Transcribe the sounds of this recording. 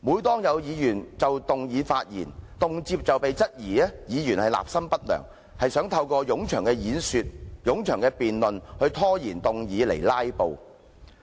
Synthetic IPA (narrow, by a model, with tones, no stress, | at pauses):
muː˨˧˥jt̪ɔː˥ŋjɐ˨˧wjiː˨˧jyː˨˩nt͡sɐ˨wt̪ʊ˨ŋjiː˨˧faː˧t̚jḭː˨˩nt̪ʊ˨ŋt͡siː˧p̚t͡sɐ˨wpe˨jt͡sɐ˥t̚jiː˨˩ɛː˥jiː˨˧jyː˨˩nhɐ˨jla̰ː˨p̚sɐ˥mpɐ˥t̚lœ̰ː˨˩ŋ | hɐ˨jsœː˨˥ŋt̪ʰɐ˧wkɔː˧jʊ˨˥ŋt͡ʃʰœː˨˩ŋkɛː˧jiː˨˥nsyː˧t̚jʊ˨˥ŋt͡ʃʰœː˨˩ŋkɛː˧piː˨nlɵ˨nhɵ˧ɥt̪ʰɔː˥jiː˨˩nt̪ʊ˨ŋjiː˨˧le˨˩jlaː˥jpo˨˧w